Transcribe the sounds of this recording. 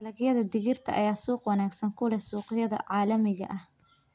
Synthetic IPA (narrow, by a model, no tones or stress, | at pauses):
lɐɣjɐðɐd̪ɪɣɪrt̪ʰɐ̰ʔɐ̰jaːsuːqwɐnaːɡsɐŋkʰʊlɛsuːqɪjɐðɐ̰ʕɑːlɐmɪɣɐ̰ʔɐh